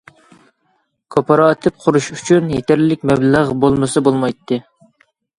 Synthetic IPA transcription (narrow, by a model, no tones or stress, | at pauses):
kʰopʰɑɾɑːt̪ʰɨp̚qʰʊɾuʃyt͡ʃʰynjet̪ʰæɾlɪk̚ʲmɛblæʁbolˠmɨsɨbolˠmɑjt̪ʰːɨ